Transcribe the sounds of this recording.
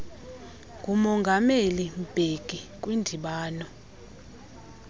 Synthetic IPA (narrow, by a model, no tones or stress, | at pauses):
ŋɡʱumɔŋɡʱamelim̩b̥ʱeɡ̥ʱik̬ʼwindʱiɓaːnɔ